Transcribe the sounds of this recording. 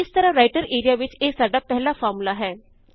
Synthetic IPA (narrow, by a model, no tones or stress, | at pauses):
ɪst̪əɾãɾaːɪʈəɾeːɾijaʋɪt͡ʃeːsaːɖaːpɛɦlafɔːɾmulaɦɛː